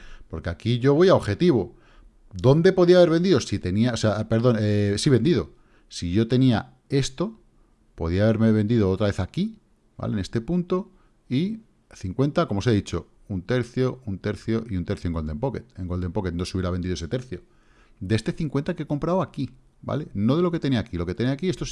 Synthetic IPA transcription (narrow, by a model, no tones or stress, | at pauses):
po̞ɾke̞akiʝo̞βo̞jaoxe̞t̪iβ̞o | d̪o̞nd̪e̞po̞ðiaβe̞ɾβ̞e̞nd̪iðosit̪e̞niaoseapeɾðo̞nesiβe̞nd̪iðo̞ | siʝo̞t̪e̞nia | e̞st̪o̞ | po̞̰ð̞iaβe̞ɾme̞βe̞nd̪iðo̞ot̪ɾaβe̞θaki | ba̰lene̞st̪e̞punt̪o̞ | i | θiŋkwe̞nt̪ako̞mo̞seðit͡ʃo̞ | unt̪e̞ɾθjo̞unt̪e̞ɾθjo̞ʔiunt̪eɾθjoeŋɡo̞ld̪empoket̪eŋɡo̞ld̪empo̞ket̪̚no̞suβjeɾaβend̪iðoese̞t̪e̞ɾθjo̞ | d̪eest̪eθiŋkwe̞nt̪ake̞ko̞mpɾawaki | ba̰le̞no̞ðe̞lo̞ke̞t̪e̞niakilo̞ke̞t̪eniakiest̪os